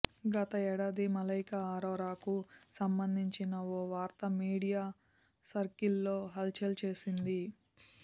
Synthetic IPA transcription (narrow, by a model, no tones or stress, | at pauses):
ɡɐt̪ɐɛːɽaːd̪imɐlɐjkɐaːɾoːɾaːkusɐmbɐnd̪ʱiɲt͡ʃinɐoːʋaːɾt̪ɐmiːɽijaː | sɐɾkilːoːɦɐlt͡ʃɐlt͡ʃe̞ːsind̪i